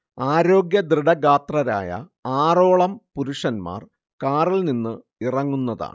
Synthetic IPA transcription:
aːɾo̞ːɡjɐd̪riɽɐɡaːt̪rɐɾa̰ːjɐ̰aːro̞ːɭɐmpuɾuʂɐnma̰ːr | kaːrilninːɨ | irɐŋːunːɐða̰ːɳ

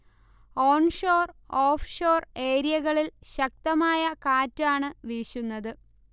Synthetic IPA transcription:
oːɳʂo̞ːroːfʂo̞ːre̞ːɾijɐɣɐɭilɕɐk̚t̪ɐmaːjɐkaːtːaːɳɨʋiːɕunːɐðɨ

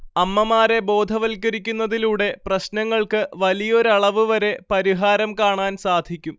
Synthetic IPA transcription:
ɐmːɐmaːɾe̞bo̞ːd̪ʱɐʋɐlkːɐɾikʲːunːɐðiluːɽe̞prɐɕnɐŋːɐɭkɨʋɐlijɐo̞ɾɐɭɐʋɨʋɐɾe̞pɐɾiɦaːɾɐmkaːɳaːnsaːd̪ʱikʲːum

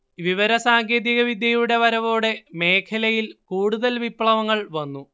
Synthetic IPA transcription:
ʋiʋɐɾɐsaːŋɡeːðiɣɐʋid̪jɐjuɽe̞ʋɐɾɐʋo̞ːɽe̞me̞ːkʰɐlɐjilkuːɽuðɐlʋipːɭɐʋɐŋːɐɭʋɐnːu

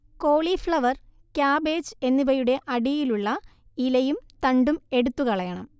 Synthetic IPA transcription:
koːɭifɭɐʋɐr | kjaːbe̞ːd͡ʑe̞nːipɐjuɽe̞ʔɐɽijiluɭːɐ | ilɐjumt̪ɐɳɖume̞ɽut̪ːukɐɭɐjɐɳɐm

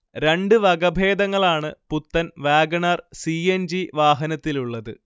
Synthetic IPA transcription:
ɾeɳɖɨʋɐɡɐbʱe̞ːd̪ɐŋːɐɭaːɳɨput̪ːɐnʋaːɡɐɳɐrsiːend͡ʑiʋaːɦɐnɐt̪ːiluɭːɐðɨ̰

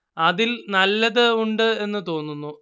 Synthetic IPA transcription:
ɐðilnɐlːɐðɨuɳɖɨe̞nːɨt̪o̞ːnːunːu

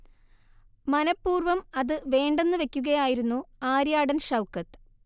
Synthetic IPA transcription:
mɐnɐpːuːrʋɐmɐðɨʋe̞ːɳɖe̞nːɨʋe̞kʲːuɣɐjaːjiɾunːuaːɾjaːɽɐnɕɐwkːɐt̪ː

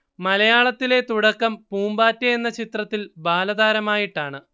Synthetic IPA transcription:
mɐlɐjaːɭɐt̪ːile̞t̪uɽɐkːɐmpuːmbaːtːɐjenːɐt͡ɕit̪rɐt̪ːilbaːlɐðaːɾɐmaːjiʈːaːɳɨ

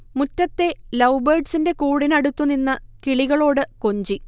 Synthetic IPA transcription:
mutːɐt̪ːe̞lɐwberɖsinde̞kuːɽinɐɽut̪ːuninːɨkiɭiɣɐɭo̞ːɽɨkoɲd͡ʑi

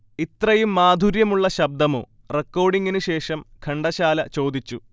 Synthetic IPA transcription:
it̪rɐjumːaːd̪ʱuɾjɐmuɭːɐɕɐb̚d̪ɐmo̰ː | rekːo̞ːɖiŋɡinɨɕe̞ːʂɐmkʰɐɳɖɐɕaːlɐt͡ɕo̞ːd̪it͡ɕːu

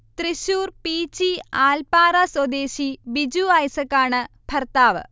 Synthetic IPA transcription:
t̪riɕuːrpiːt͡ɕːiaːlpaːraːswɐd̪eːɕibid͡ʑuaːjsɐkːaːɳɨ | b̥ʱɐrt̪aːʋɨ̰

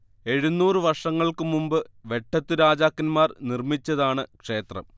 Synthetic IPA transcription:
e̞ɻunːuːrɨʋɐrʂɐŋːɐɭkɨmumbɨʋe̞ʈʰːɐt̪ːɨɾaːd͡ʑaːkːɐnmaːrnirmit͡ɕːɐðaːɳɨkʂe̞ːt̪rɐ̰m

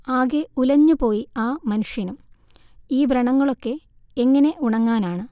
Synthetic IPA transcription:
aːɣeulɐɲːupo̞ːjiaːmɐnuʂjɐnum | iːbʱrɐɳɐŋːɐɭo̞kːe̞ | eŋːɐne̞ʔuɳɐŋːaːnaːɳɨ

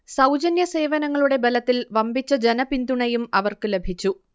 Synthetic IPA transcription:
sɐwd͡ʑɐnjɐse̞ːʋɐnɐŋːɐɭuɽe̞belɐt̪ːilʋɐmbit͡ɕːɐd͡ʑenɐpind̪uɳɐjumɐʋɐrkɨle̞bʱit͡ɕːu

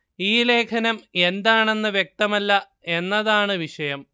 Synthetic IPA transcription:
iːle̞ːkʰɐnɐme̞nd̪aːɳe̞nːɨʋjek̚t̪ɐmɐlːɐ | e̞nːɐðaːɳɨʋiʂɐjɐm

